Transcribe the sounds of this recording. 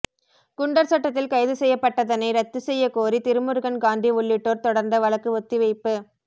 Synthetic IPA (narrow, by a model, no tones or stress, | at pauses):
kʊɳɖɐɾsɐʈːɐt̪ːɪlkɐɪðɯsɛjːɐpːɐʈːɐðɐnɐɪɾɐt̪ːɯsɛjːɐkoːɾit̪ɪɾɯmɯɾɯɣɐnɡaːnd̪iʋʊɭːɪʈːoːɾt̪ɔɽɐɾnd̪ɐʋɐɭɐkːɯʋɔt̪ːiʋɐɪpːɯ